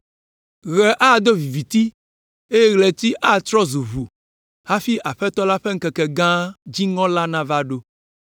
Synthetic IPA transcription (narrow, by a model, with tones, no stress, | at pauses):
ɣɛ˨ʔa˦˨d̪o˦vi˨vi˨t̪i˦ | e˦je˦ɣlɛ˨t̪i˦ʔa˦˨t̪ɾɔ˦zu˨βu˨ | ha˦fi˦ʔa˨ɸɛ˦t̪ɔ˦la˦ɸɛ˦ŋ̩˦kɛ˨kɛ˨ɡã˦d͡ʑi˦ŋɔ̃˦la˦nã˦va˦ɖo˦